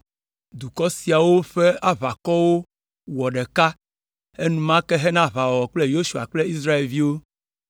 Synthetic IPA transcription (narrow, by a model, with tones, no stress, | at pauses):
d̪u˨kɔ˦si˨a˨wo˦ɸe˦a˦βa˨kɔ˦wo˦ | wɔ˨ɖɛ˨ka˦ | e˦nũ˦mã˦kɛ˦ɦɛ˦nã˦βa˨wɔ˨ɔ˨k͡ple˦jo˦ʃu˨a̰˨k͡ple˦i˦s̬ɾa˦e˨vi˦wo˦